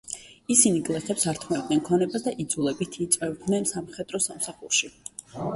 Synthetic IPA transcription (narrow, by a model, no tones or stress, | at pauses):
isiniɡʼlˠɛχɛpsaɾt̪ʰmɛd̪ʼnɛnkʰɔnɛbasd̪aʔid̪zulɛbit̪ʰit̪sʼvɛvd̪nɛnsamχɛd̪ʼɾɔsamsaχuɾʃi